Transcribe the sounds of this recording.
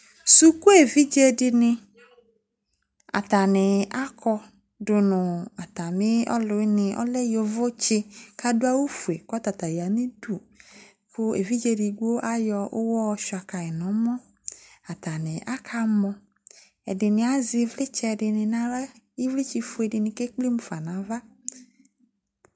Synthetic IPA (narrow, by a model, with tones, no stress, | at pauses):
su˦ku˦e˨vi˦d͡ʒe˦dɪ˧nɪ˧ | a̰˨ta˨nɪ˨a˦kɔ˧ | dʊ˨nʊ˨a˨ta˨mɪ˦ɔ̰˦lʊ˨˦nɪ˨ʔɔ̰˦lɛ˦jo˨vʊ˦t͡ʃɪ˦ka˦dʊ˦a˦wo˦fu˨e˨kɔ˦ta˨ta˨ja˨mɪ˦du˨ | kʰʊ˦ḛ˨vi˦d͡ʒe˧di˨ɡo˦ʔa˦jɔ˧ʔʊ˦wɔ˦ʃa˨ka˨ɛ˨nɔ˨˦mɔ˦ | a˨ta˨nɪ˨ʔa˦kʰa˧mɔ̃˧ | ɛ̰˨dɪ˨nɪ˨a˨zɪ˧˦vlɪ˦t͡ʃɛ˦˧˨dɪ˧nɪ˨na˨˦ | i˦vli˦t͡ʃi˧fu˨˦e˨dɪ˨nɪ˨ke˦k͡pli˦mʊ˦fa˨nã˨˦va˦